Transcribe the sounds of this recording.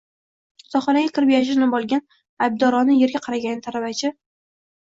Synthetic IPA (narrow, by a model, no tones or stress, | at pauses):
sɒχɒnaɡʲakʲʰɪɾɪpjaʃ̬ɪnɪbɒlˠɡʲan | ajb̚d̪ɒɾɒnɪje̞ɾɡʲaqʰɑɾaɡʲanɪt̪ʰaɾavat͡ʃʰɪ